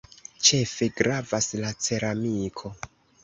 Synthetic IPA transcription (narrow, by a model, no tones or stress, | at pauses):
t͡ʃe̞feɡɾavaslat͡se̞ɾamikʰo̞